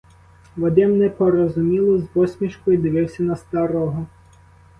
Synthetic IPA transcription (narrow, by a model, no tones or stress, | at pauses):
ʋɔd̪ɪmnɛpɔɾɔzʊmʲilˠɔzbɔsʲmʲiʃkɔjʊd̪ɪʋɪwsʲɐnɐst̪ɑɾɔɦɔ